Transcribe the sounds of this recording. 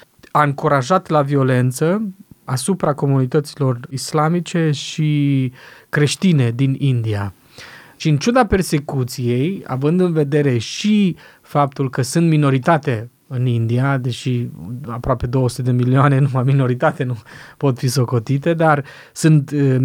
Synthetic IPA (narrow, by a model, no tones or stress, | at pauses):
aɨŋkuɾaʒat̪lavio̞le̞nt̪səasupɾako̞munit̪ət̪silo̞rislamit͡ʃe̞ʃi | kɾe̞ʃt̪ine̞d̪inind̪ia | ʃiɨnt͡ʃud̪ape̞rse̞kut̪sije̞ja̰vɨnd̪ɨnve̞d̪e̞ɾe̞ʃi | fap̚t̪ulkəsɨnt̪mino̞ɾit̪at̪e | ɨnind̪iad̪e̞ʃiapɾoape̞d̪o̞wəsu̥t̪ed̪e̞milioane̞numajmino̞ɾit̪at̪enupo̞t̪fiso̞ko̞t̪it̪e̞d̪ar | sɨnt̪